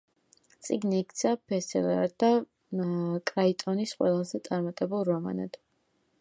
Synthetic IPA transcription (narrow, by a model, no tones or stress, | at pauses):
t̪sʼiɡniːkʰt̪sʰapʰɛsɛlɛɾad̪a | kʼɾait̪ʼɔnisqʼwɛlˠazɛt̪sʼaɾmat̪ʼɛbulˠɾɔma̰na̰d̪̥